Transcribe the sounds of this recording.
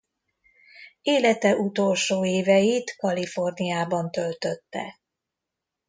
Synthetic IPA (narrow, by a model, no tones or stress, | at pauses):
eːlɛt̪ɛʔut̪o̞lʃoːeːvɛjit̪kɒlifo̞rnijaːbɒnt̪ø̞lt̪øt̪ːɛ̰